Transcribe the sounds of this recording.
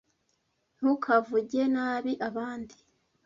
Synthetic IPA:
n̥hukʰavuɟe̞naːβiʔaβaːndi̥

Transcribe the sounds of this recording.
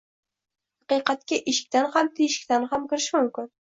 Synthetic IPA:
hɑqɨjqɑt̪̚kʲaʔɪʃɪ̥kʲt̪anhamt̪ʰejɪʃɪ̥kʲt̪anhamkʲɪɾɪʃmʊmkʲɪn

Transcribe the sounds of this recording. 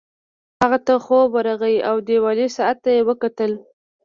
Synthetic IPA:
haɣat̪axobəɾaɣajʔawd̪ewɑlesaat̪ːajewəkat̪əl

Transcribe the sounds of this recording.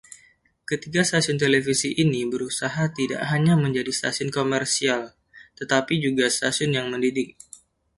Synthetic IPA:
kət̪iɡast̪asiʊnt̪elefisiʔinibəɾusaɦat̪ida̰ʔɦaɲaməɲd͡ʒadist̪a̰siʊnkomɛrsial | t̪ət̪apid͡ʒuɡast̪asiʊnjaŋməndidɪk̚

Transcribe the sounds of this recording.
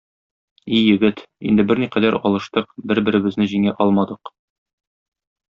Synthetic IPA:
ijɘ̆ɡɘt̪ḭnd̪ɘbɘɾniqæd̪æɾɒlˠɤ̆ʃt̪ɤqbɘɾbɘ̆ɾɘ̆bɘ̆znɘʑiŋæʔɒlˠmɑd̪ɤq

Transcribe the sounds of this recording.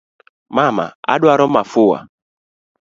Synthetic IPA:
mama̰a̰ɗʊaɾɔmafʊwa̰

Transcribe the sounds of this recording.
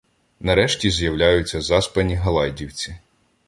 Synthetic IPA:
nɐɾɛʃtʲizjɐwlʲajʊt͡sʲːɐzɑspɐnʲiɦɐlˠɑjdʲiwt͡sʲi

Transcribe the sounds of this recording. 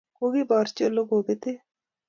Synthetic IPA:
koɡibɔːɾt͡ʃolːoɡɦoːbet̪eː

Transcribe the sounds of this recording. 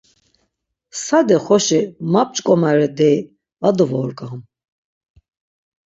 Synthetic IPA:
sad̪ɛχɔʃimap̚t͡ʃʼkʼɔmaɾɛd̪ɛj | ad̪ɔvɔɾɡam

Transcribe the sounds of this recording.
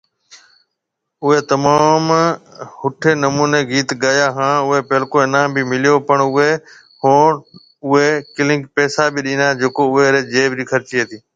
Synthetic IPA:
ʊɦet̪ɐmaːmhʊʈʰeːnɐmuːneːɡiːt̪ɡaːjaːɦãːʊɦepeːlkõɪnãːbimɪlijopəɳʊɦe | hõː | ʊɦekɪlɪ̃ŋkpɛːsabɪɗĩːnaːd͡ʒeːkoʊɦeɾeːd͡ʒeːbɾiːkʰəɾt͡ʃiːɦət̪iː

